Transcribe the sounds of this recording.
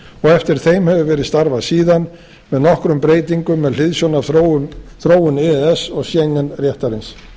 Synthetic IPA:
ɔɣɛft̪ɪɾ̥θejmhɛvʏvɛːɾɪðst̪aɾvaðsiːðan | mɛðnɔhkɾʏmpɾeːjt̪iŋkʏmːɛðl̥ɪðsjɔna | θɾoːwʏnɛɛsɔɣsjejŋːɛnrjɛht̪aɾɪns

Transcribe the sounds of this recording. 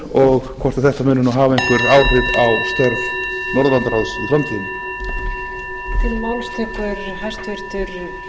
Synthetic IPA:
ɔɣkʰɔrt̪aθɛht̪amɛnːʏnɔɦaːvaejŋkvʏɾaːwr̥ʏvawst̪ɛɾv | nɔɾðvant̪ɾawsilamt̪ʰiːnɪ | t̪ʰɪɾmawlst̪ʰɛkʏɾ | ɦajst̪vɪɾ̥t̪ʏɾ

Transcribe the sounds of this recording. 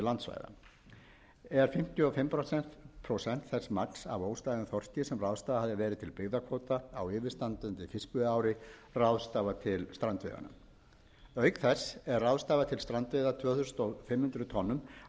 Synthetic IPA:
lant̪sva̰jða̰ | ɛɾ̥fɪm̥t̪jʏɔfɪmpʰɾosɛn̥t̪pʰɾosɛn̥t̪θɛsmaksa̰voːwst̪aːðɪnθɔr̥t̪jɪsɛmrawst̪aːðahɦaðɪvɛːɾɪt̪ʰɪlpɪɣðakʰvoːwt̪aːwɪːvɪ̥st̪ant̪ʏnt̪ɪfɪskpʏðaːwɾɪrawðst̪aːvat̪ʰɪlst̪ɾant̪vɪ̰ːða̰na̰ | œɥkθɛsːɛrrːawðst̪aːvat̪ʰɪlst̪ɾant̪vɪðat̪ʰvœːθʏst̪ɔfɪmhʏnt̪ɾʏt̪ʰɔnːʏm

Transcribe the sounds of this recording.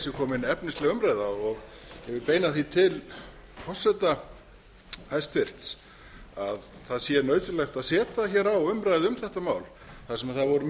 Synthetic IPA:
sɪkʰɔːmɪnɛpnɪst̪lɛɣʏmɾajðaɔɣ | jɛvɪlpeːjnaθit̪ʰɪl | pʰɔ̥sɛt̪a | hajst̪ʰfɪr̥t̪s | aðθaðsjɛnœɥsɪlɛxt̪aðsɛːt̪açɛːɾawʏmɾajðɪʏmθɛht̪amaːwl | θasɛmaðθaðvɔɾʏ

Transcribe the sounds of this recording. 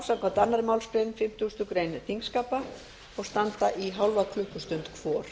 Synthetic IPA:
sakɔt̪anːaɾɪmawlspɾɛðmfɪm̥t̪uːst̪ʏkɾejnθʰiŋkskaːpa | ɔɣst̪ant̪aʔiɦawlvakʰlʏhkʏst̪ʏnt̪kʰvɔːɾ̥

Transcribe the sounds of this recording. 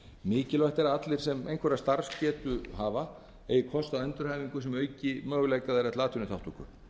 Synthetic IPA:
mɪːcɪlvaht̪ɛɾaat̪lɪɾ̥sɛmejnkʰvɛɾast̪aɾ̥scɛːt̪ʏɦaːva | eːjɪkʰɔst̪aðɛnt̪ʏɾhajviŋkʏsɛmœːɥcɪmœːɣʏleːjkaðɛɾɛtlaːt̪ʰʏnʏt̪ʰawht̪uŋkʏ̰

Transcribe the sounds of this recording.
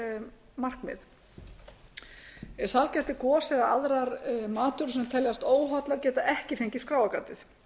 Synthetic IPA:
mar̥kmɪ̰ð | ɛɾ̥salcɛt̪ɪkɔːsɛɣaaðɾaɾmaːt̪ʏɾs̬ɛmt̪ʰɛljast̪oːwɦat̪laɾcɛːt̪aʔɛhcɪθejɲcɪskɾaːwakaːt̪ɪθ

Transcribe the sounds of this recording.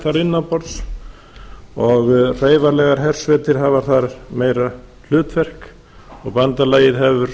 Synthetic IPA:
θaɾɪnːapɔɾt̪s | ɔɣreːjvaɾlɛɣaɾ̥ɦɛr̥svɛːt̪ɪɾ̥ɦavaɾ̥θaɾmeːjɾa | l̥ʏːt̪vɛr̥k | ɔɣpant̪alaːjɪðɦɛvʏɾ

